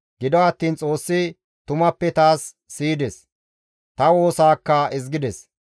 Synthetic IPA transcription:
ɡɪd̪ɔɐt̪ːiːnt͡sʼo̞ːsːɪ | t̪ʊmɐpːɛt̪aːsː | iːd̪ɛs | t̪ɐwo̞ːsaːkːɐɪzɡɪd̪ɛs

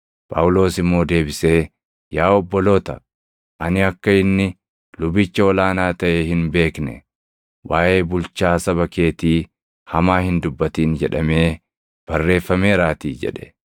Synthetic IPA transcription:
pʰʼa̰wʊlo̞ːsɪmːo̞ːd̪e̞ːbɪse̞ː | jaːɔbːɔlo̞ːt̪ɐ | ʔɐnɪɐkːɐɪnːɪ | lʊbɪt͡ʃːɐɔlaːnaːt̪ɐʔeːhɪnbe̞ːknɛ̰ | wʔaːʔe̞ːbʊlt͡ʃaːsɐβɐke̞ːt̪iː | hɐmaːhɪnd̪ʊbːɐt̪iːnd͡ʒɛᶑɐme̞ː | b̥ɐrːe̞ːfːɐme̞ːɾaːt̪iːd͡ʒɛ̰ᶑɛ̥

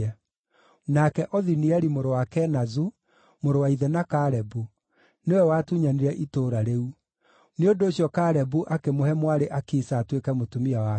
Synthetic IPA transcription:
ɛ | nakɛʔɔðiniɛɾimoɾowakɛnazu | moɾowaiðɛnakaɾɛbu | newɛwatuɲaniɾɛʔitoːɾaɾeu | neodoːɕjɔkaɾɛbuʔakemohɛmwaɾeʔakisaːtwekɛmotumiawa

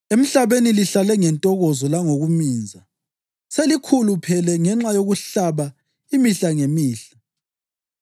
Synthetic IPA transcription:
em̩ɬaβeniliɬalɛŋɛntʼɔɣɔzɔlaŋoɣumiːnd͡zʱa | selikʰulupʰɛlɛŋɛŋ͡ǁajoɣuɬaβa | imiɬaŋemiːɬḁ

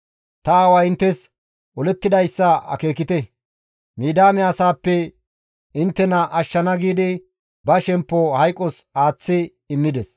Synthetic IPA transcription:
t̪ɐaːwɐɪnt̪ːɛs | ɔlɛt̪ːɪd̪ɐjsːɐɐ̰ke̞ːkɪt̪ɛ | miːd̪aːmɛaːsaːpːɛ | ɪnt̪ːɛnɐʔɐʃːɐnɐɡiːd̪ɪ | bɐʃɛmpːɔhɐjkʼːɔsaːt͡sːɪː | mːɪd̪ɛs

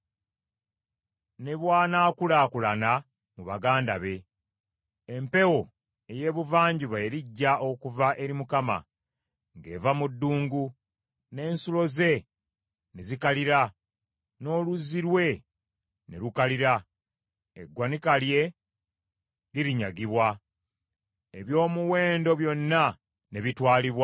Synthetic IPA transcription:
ne̞βwaːnaːkulaːkulana | muβa̰ɡaːndaβe̞ | mpe̞wo̞ | e̞je̞ːβuvaːɲɟiβaeɾiɟːaʔo̞kuvaʔe̞ɾimukama̰ | ŋɡe̞̰ːvamudːuːŋɡu | ne̞ːnsulo̞ze̞ | ne̞zikaliɾa | no̞ːluziɾwe̞ | ne̞̰ɾukaliɾa | ḛɡwanikalje̞ | liɾiɲaɡiβwa | eβjo̞ːmuwe̞ːndo̞βjo̞nːa | ne̞βitwaːliβwa

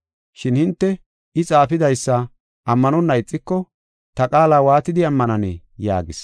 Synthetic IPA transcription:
ʃɪnhɪnt̪ːɛ | ʔɪt͡sʼaːfɪd̪ɐjsːɐ | ʔɐmːɐnɔnːɐɪt͡sʼːɪkːɔ | t̪ɐkʼaːlaːwaːt̪ɪd̪ɪɐmːɐnɐnɛ̰ | ja̰ːɡɪs

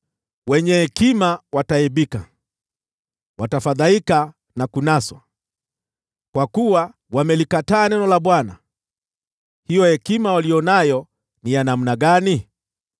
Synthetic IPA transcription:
wɛɲɛhɛkimawataɛɓika | watafaðaika | nakunaswa̰ | kwakuwa | wamɛlikataːnɛnɔlaɓwana | hijɔhɛkimawalijɔnajɔ | nijanam̩naɡani

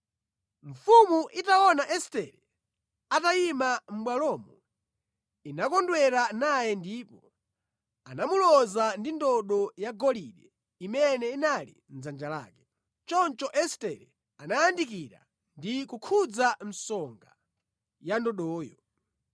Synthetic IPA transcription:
ɱ̩fumuʔitaɔnaʔɛstɛɾɛ | ataimam̩ɓwalɔmɔ | inakɔndwɛɾanajɛndiːpɔ | anamulɔzandindɔɗɔjaɡɔliɗɛ | imɛnɛinalḭn̩zand͡ʒala̰ːkɛ̥ | t͡ʃɔnt͡ʃɔʔɛstɛɾɛ̰ | anajandikiɾa̰ | ndikukʰud͡zam̩sɔŋɡa | jandɔɗɔːjɔ

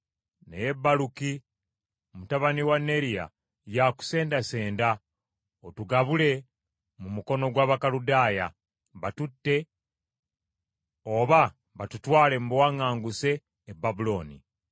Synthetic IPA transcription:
ne̞̰je̞bːaluki | omutaβaniwanːe̞ɾija̰ | jaku̥se̞ːndase̞ːnda | otuɡaβule̞ | mumuko̞no̞ɡwaːβakaludaːja̰ | βatutːe̞ | o̞βa | βatutwaːle̞muβwaŋaːŋɡuse̞ː | bːabulo̞ːnḭ

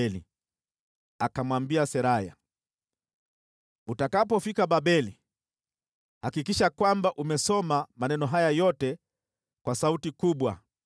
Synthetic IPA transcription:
ɛlḭ | akamwambiasɛɾaja̰ | utakapɔfikaɓaɓɛli | hakikiʃakwambaʔumɛsɔmamanɛnɔɦajajɔtɛ | kwasautikuɓwa

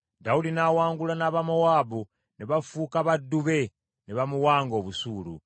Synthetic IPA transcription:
daudinawaːŋɡulanaβamowaːbu | neβafuːkaβadːuβe̞ | neβamuwaːŋɡo̞ːβusuːlṵ

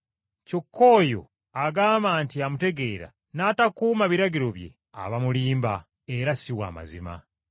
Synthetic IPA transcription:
cokʰːo̞ːjo̞̰ | aɡaːmaːntiamute̞ɡe̞ɾa̰ | naːtakuːmaβiɾaɡiɾo̞βje̞̰ | a̰βamuliːmba | e̞ɾasiβwa̰ːma̰zḭma̰

